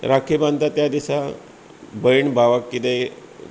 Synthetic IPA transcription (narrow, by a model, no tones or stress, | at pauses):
ɾakʰibant̪at̪jad̪isa | bəiɳbʱaʋakːit̪e